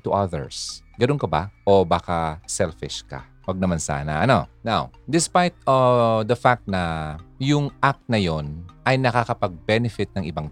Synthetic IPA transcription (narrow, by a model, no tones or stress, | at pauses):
t̪ʊʔaðɛ̰ɹs | ɡɐnonkɐba̰ʔobaːkɐsɛlfɪʃkɐ̰ | wɐɡ̚nɐmansa̰ːnɐ̰ʔɐno̞̰nawd̪ɪspajt̪̚ɐd̪ɐfak̚t̪̚nɐjʊŋʔak̚t̪̚nɐjo̞nʔɐjnɐkakɐpɐɡ̚bɛnɛfɪt̪̚nɐŋʔɪbaŋ